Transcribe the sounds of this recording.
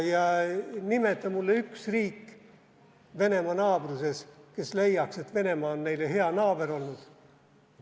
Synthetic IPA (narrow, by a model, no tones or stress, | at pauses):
jɑnimet̪ːˑɑmulːeyksriːkː | ve̞ne̞mɑnɑːb̥ruse̞ske̞sle̞jːɑkse̞t̪ːve̞ne̞mɑonːe̞jleɦe̞ɑnɑːb̥eɾo̞lnud̪̥